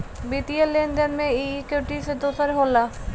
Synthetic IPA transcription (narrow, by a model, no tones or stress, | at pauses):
bit̪ielenɖ̪enmeikewʈised̪osaɾeɦola